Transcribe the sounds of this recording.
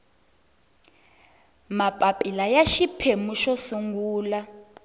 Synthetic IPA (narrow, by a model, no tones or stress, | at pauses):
mapʼapʼilajaʃipʰemuʃosuŋɡuːla